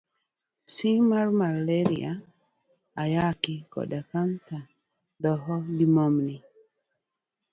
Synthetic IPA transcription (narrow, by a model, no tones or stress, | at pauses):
simaɾmaɾleɾḭa | ajakɪkɔ̰dakansa | d̪ɔɦɔdimɔmni